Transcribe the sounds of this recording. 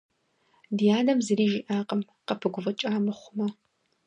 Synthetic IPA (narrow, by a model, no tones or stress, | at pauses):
dijaːnɐmzɨɾiːʒɪʔaːqʼɐm | qɐpʰɨɡʷʊvɐt͡ʃʼaːmɨχʷʊmɐ